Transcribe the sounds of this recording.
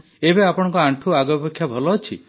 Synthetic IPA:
ebeapɔɽ̃ɔŋkɔaɳʈʰuaɡɔbekʰːjabʱɔlɔːt͡ʃʰḭ

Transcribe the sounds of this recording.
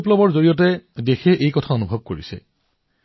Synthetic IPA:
plɔbɔɹzoɹijɔt̬ɛdexɛʔejkɔtʰaonubʱɔb̚koɹḭsɛ̰

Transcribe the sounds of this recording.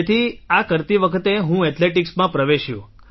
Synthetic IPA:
et̪ʰiakəɾt̪iʋəkʰət̪eɦũɛt̪ʰleʈiksmãpɾəʋeʃjũ

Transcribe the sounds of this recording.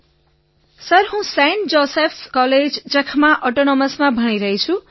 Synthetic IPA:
sʌrɦũseɳʈd͡zosepʰskʌled͡zd͡zʌkʰmaʔʌʈonʌmʌsmabʱʌɽ̃iɾʌɦjt͡sʰu

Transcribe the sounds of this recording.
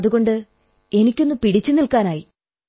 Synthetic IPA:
ɐðuɣo̞ɳɖɨ | e̞nikʲːo̞nːumpiɽit͡ɕːunilkaːnaːji

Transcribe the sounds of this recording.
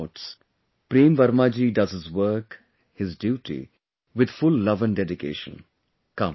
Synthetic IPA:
ʈs | pɾĩːmʋɐɾmaːd͡ʒiːɖʌzɪzʋəɾk | hɪzɖjuːʈḭ | ʋɪd̪fʊlːʌʋə̃nɖɛɖɪkḛːʃə̰̃n | kʌ̃m

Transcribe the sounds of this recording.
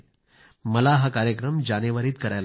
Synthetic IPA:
məlaɦakaːɾjəkɾəmd͡ʒaneʋəɾiːt̪kəɾajl

